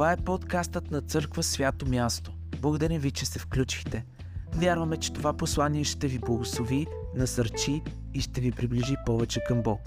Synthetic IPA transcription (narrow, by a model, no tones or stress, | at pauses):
t̪aɛpot̪kast̪ət̪nɐt̪sɤɾkvəsvʲjat̪omʲjast̪o̥ | blˠəɡod̪ɐɾĩmvit͡ʃɛsɛfklʲut͡ʃixt̪ɛ | vʲjaɾvəmɛt͡ʃɛ̥t̪ovaposlˠaniɛʃt̪ɛviblˠəɡoslˠovi | nɐsəɾt͡ʃiː | ʃt̪ɛvipɾibliʒipɔvɛt͡ʃɛkɐmbɔk